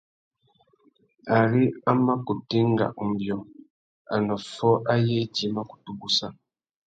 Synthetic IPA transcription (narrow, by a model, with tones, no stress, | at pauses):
a˨ɾi˦a˦ma˦ku˨ti˦ŋ˦ɡa̰˨ʔu˨m˨bjɔ˨ | a̰˨nɔ˨fɔ˦ʔa˦je˦d͡ʒi˦ma˦ku̥˨tu˨ɡu˦sa˦